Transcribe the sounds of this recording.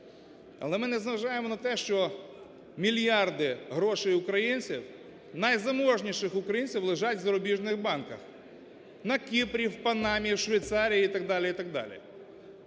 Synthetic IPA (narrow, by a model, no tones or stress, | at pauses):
ɐ̰lˠɛmɪnɛzɐʋɐʒɑjemɔnɐt̪ɛʃt͡ʃɔ | mʲilʲjɑrd̪ɪɦɾɔʃɛjʊkɾɐjinʲt͡sʲḭw | nɐjzɐmɔʒnʲiʃɪxʊkɾɐjinʲt͡sʲiwlˠɪʒɑtʲʋzɐɾɔbʲiʒnɪxbɑnkɐx | nɐkʲipɾʲiwpɐnɑmʲiʃʋejt̪sɑɾʲijiit̪ɐɡ̚d̪ɑlʲɪit̪ɐɡ̚d̪ɑ̰lʲḭ